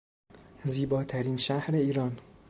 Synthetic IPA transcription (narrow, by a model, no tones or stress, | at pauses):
ziːbɒːt̪ʰæɾiːnʃæhɾe̞iːɾɒːn